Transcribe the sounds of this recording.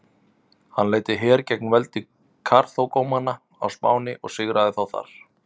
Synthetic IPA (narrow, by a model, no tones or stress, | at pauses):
hanːleːjt̪ɪɦɛːɾcɛk̚nvɛlt̪ɪ | kʰaɾ̥θowkowmanːa | a̰wspa̰ːwnɪʔɔ̰ɣsɪɣɾʔaðɪθawθa̰ɾ̥